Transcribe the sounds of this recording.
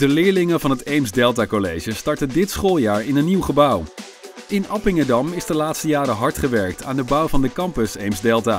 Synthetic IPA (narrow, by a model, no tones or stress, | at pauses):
d̥əlɪːɹlɪŋənvɑnɦətejmzdɛlˠt̬akolejʒəstɑɹtəndɪtsχolˠjaːɹɪnənːiwχəbʌw | ɪnɑpɪŋədɑmɪzdəlaːtstəjaːɾəɦɑɹtχəʋɛɹk̚tʰa̰ːndəbʌwvɑndəkɑmpəsejmzdɛlˠtaː